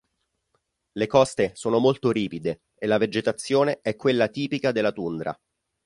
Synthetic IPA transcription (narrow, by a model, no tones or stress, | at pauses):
lekɔst̪esoːnomolt̪oɾiːpid̪e | elːaved͡ʒet̪at̪sːjoːneɛkːwelːat̪iːpikad̪elːat̪und̪ɾa̰